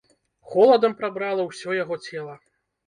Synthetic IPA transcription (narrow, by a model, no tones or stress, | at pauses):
xɔlˠɐd̪ɐmpɾabɾalˠɐwsʲɔjaɣɔt͡sʲɛlˠɐ